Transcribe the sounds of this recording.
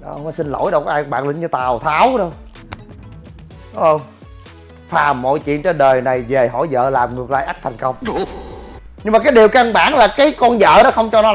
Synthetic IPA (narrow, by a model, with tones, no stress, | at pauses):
ɗɔ˨˧˦wnɔ˨˦jsi˧nlo̰˧˥jɗwkːʔaː˧˩ɓa̰ː˧˨ŋlï˧˩˦ɲɨ˧t̪aː˨˩wt̪ʰaː˨˦wɗə˧˦ | ʔəː˧˩ | faː˨˩mːɔ̰˧˨jt͡ɕwḭ˧˨ənt͡ɕə˧ɗəː˨˩jna˨˩jve˨˩ɦɔ̰˧˩˦jzə̰ː˧˨laː˨˩mŋɨ˨˩ək̚laː˧jʔa˦˥k̚t̪ʰa˨˩jŋ̟kə˧wŋ͡m | ɲɨ˧ŋmaː˨˩kaː˨˦jɗi˨˩əwka˧ŋɓa̰ː˧˩ŋlaː˨˩kaː˨˦jkɔ˧nzə̰ː˧˨ɗɔ˨˦xə˧wŋ͡mt͡ɕɔ˧nɔ˨˦